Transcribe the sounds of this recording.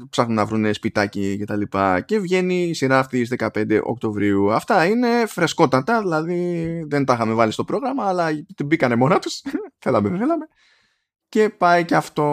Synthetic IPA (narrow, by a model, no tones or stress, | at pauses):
psɐxnunɐvɾunespit̪ɐcice̞t̪ɐlipɐ̰ce̞vʝe̞niːsiɾɐːft̪isðe̞kɐpe̞nd̪e̞̰ʔok̚t̪o̞vɾiuɐft̪ɐine̞fɾe̞sko̞t̪ɐt̪ɐðilɐðiðent̪ɐxɐme̞vɐlist̪o̞pɾo̞ɣɾɐmɐːlɐt̪ibikɐne̞mo̞nɐt̪usθelɐmeθelɐme̞ | ce̞pɐiceɐft̪o̞